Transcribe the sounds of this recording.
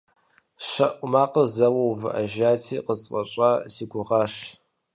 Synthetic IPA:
ʃɐʔʷmaːqəzɐwowvʔaʒaːtʰiːqəsʼqʼɐɕʼasiɡʷʊʁɑːʂ

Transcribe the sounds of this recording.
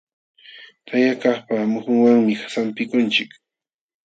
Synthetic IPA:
t̪ʰajakaχpamʊhʊŋwaŋmɪxḁsampɪkʊnt͡ʃɪk

